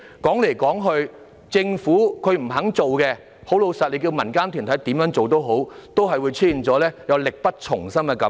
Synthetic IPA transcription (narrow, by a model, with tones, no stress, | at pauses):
kɔː˨˥ŋle˨˩jkɔː˨˥ŋɦɵ˧ɥ | t͡sɪ˧ŋfuː˨˥kʰɵ˨˧ɥm̩˨˩ɦɐ˨˥ŋt͡so˨wkɛ˧ | ho˨˥wlo˨˧wsɐ˨t̚le˨˧˥ki˧wmɐ˨˩nkaː˥nt̪ʰy˨˩nt̪ʰɐ˨˥jt̪iː˨˥mjœː˨˥ŋt͡so˨wt̪o˥wɦo˨˥wt̪o˥wɦɐ˨jwu˨˧jt͡sʰiː˥i˨nt͡sɔː˨˥lɛː˥jɐ˨˧wlɪ˨k̚pɐ˥t̚t͡ʃʰʊ˨˩ŋsɐ˥mɛ˧kɐ˨˥m